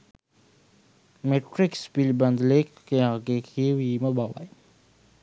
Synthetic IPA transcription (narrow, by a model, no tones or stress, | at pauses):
meʈɾɪkspilbɐnd̪lekːeãːɡekʰiwiməbawa̰j